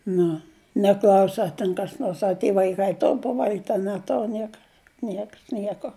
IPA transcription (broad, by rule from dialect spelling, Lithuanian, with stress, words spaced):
ˈnʊ nʲɛˈklˠɐʊsʲɪ ɐ ˈtʲɛn kɐs ˈnoːrs ɐ tʲiɛ ʋɐɪˈkɐɪ ˈtoːr pɐˈʋɐlʲɡʲɪtʲ ɐ nʲɛˈtoːr ˈnʲiɛkɐ ˈnʲiɛks ˈnʲiɛkoː